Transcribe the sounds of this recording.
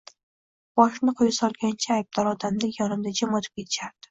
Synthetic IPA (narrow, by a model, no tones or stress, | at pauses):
b̥ɒʃnɪqʰojasɒlˠɡʲant͡ʃʰaːjb̚d̪ɒɾɒd̪amd̪ajɒnɪmd̪ad͡ʒamɒt̪ʰɪp̚kʲʰe̞t̪ʰɪ̥ʃaɾd̪̥ɪ̥